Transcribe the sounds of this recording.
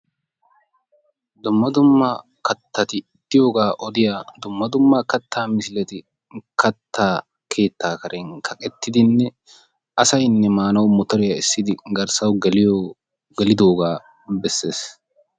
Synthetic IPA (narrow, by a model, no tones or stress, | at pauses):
d̪ʊmːɐd̪ʊmːa | kɐt̪ːɐt̪ɪ | t̪ːɪjo̞ːɡaːʔɔd̪ɪjaːd̪ʊmːɐd̪ʊmːaːkɐt̪ʰːaːmɪsɪlɛt̪ɪ | kʰɐt̪ʰːaː | kʰe̞ːt̪ːaːkɐɾɛŋkʰɐkʼɛt̪ːɪd̪ɪnːɛ | ʔɐsɐjnːɛmaːnɐwmɔt̪ɔɾɪjɐɪsːɪd̪ɪɡɐɾsɐwɡɛlɪjɔ | ɡɛlɪd̪o̞ːɡaː | bɛsːe̞ːs